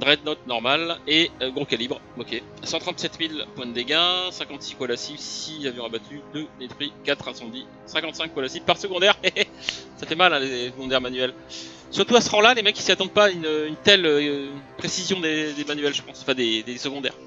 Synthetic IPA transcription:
d̪ʁɛd̪nɔt̪nɔʁmaleøɡʁokalibʁokʲe | sɑ̃t̪χɑ̃t̪sɛt̪milpwɛ̃d̪eɡʲɛ̃sɛ̃kɑ̃t̪sikɔlasibsilavjɛ̃abat̪ʰyd̪əd̪et̪χɥikat̪χɛ̃sɑ̃d̪i | sɛ̃kɑ̃t̪sɛ̃kːɔlasibpaʁsəɡɔ̃d̪ɛʁe | safɛmalɛ̃lesəɡɔ̃d̪ɛʁmanyɛl | syʁt̪uasəʁɑ̃lalemɛkʲːi̥siat̪ɑ̃d̪̚paynøynt̪ɛløpχesizjɔ̃d̪ed̪emanyɛlʒəpɑ̃sɑ̃fɛ̃d̪ed̪esəɡɔ̃d̪ɛ̰ʁ

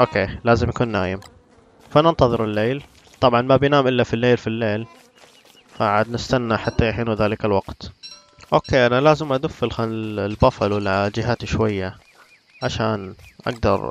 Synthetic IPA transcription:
ʔoːkeːlaːzɪmjakuːnːaːjɪm | fanɪnt̪ɑðˤɨɾɪlːeːl | t̪ˤɑbʕɑnmabjnaːmʔɪlːafilːeːlfilːeːl | faʕaːd̪nɪst̪anːaħat̪ːajaħiːnuðaːlɪkalwɑqt̪ | ʔo̰ːkeːʔanalaːzɪmʔad̪ʊfːɪlxanɪlbɑfɑlwɪlad͡ʒɪɦaːt̪iʃwajːa | ʕaʃaːnʔa̰ɡ̚d̪ɑ̰ɾˤ

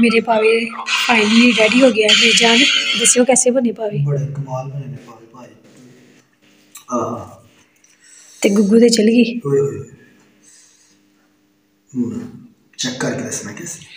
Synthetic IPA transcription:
meːɾeːpaːʋeːpaːĩniiːɡɛːɖiːɦoːɡɪjaːd͡ʒeːd͡ʒãːnd̪əseoːkɛːseːbəneːpaːʋeːbəɽekːmaːlbənepaːʋeːpaːi | a | t̪eːɡʊɡːuːd̪eːt͡ʃəlɡiːɦoɦo | t͡ʃɛkːəɾked̪əsmɛːʈes

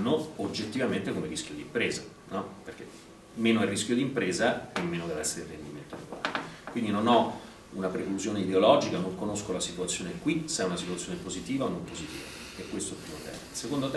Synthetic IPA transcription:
nːood͡ʒːet̪ːivament̪ekomeɾiskʲjod̪iːmpɾeːza | nɔperk̟e | mːeːnoerːiskʲjod̪impɾeːzaemːeːnod̪evɛsːeɾelrːḛnd̪iment̪o̰lḛko̰la̰ːkwind̪inonɔ | unapɾekluzjoːneid̪eolɔd͡ʒikanoŋkonoskolasit̪wat̪sːjoːnekwiseɛunasit̪ut̪sjonepozit̪iːvaonompozit̪ḭːva̰ | ekːwest̪oɛlpːɾimot̪ɛ̰ːmḛnsekond̪ot̪

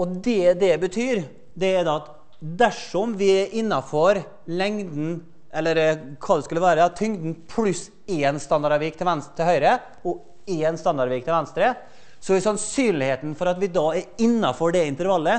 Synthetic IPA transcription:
ɔd̪ɛd̪ɛbət̪ʰyːɾ | d̪ɛɛɾd̪ɑɑt̪ | d̪æʂɔmʋɪɛɾʔɪnːɑfɔɾ | lɛŋd̪n̩ | ʔɛlːəɾkʰɑːd̪ɛskʉlːəʋæːɾət̪ʰʏŋd̪n̩pʰlʉs | eːnst̪ɑnd̪ɑɾʋiːkt̪ʰɪlʋɛnst̪ʰɪlhœʏɾə | ɔ | eːnst̪ɑnd̪ɑɾʋiːk̚t̪ʰɪlʋɛnst̪ɾə | sɔɪsɑnsyːnlɪheːt̪n̩fɔɾɑt̪ʋɪd̪ɑːɛɾɪnːɑfɔɖɛɪnt̪əɾʋɑlːə

